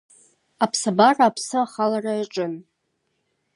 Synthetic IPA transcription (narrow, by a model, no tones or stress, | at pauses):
apʰsabaraːpʰsɨaχalaraaʈ͡ʂʼɨn